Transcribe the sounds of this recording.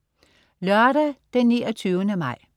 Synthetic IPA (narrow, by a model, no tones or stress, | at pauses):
lœɐɾæd̥enːḭːɒt͡sʰyːʊənəmɑ̈ɪ̰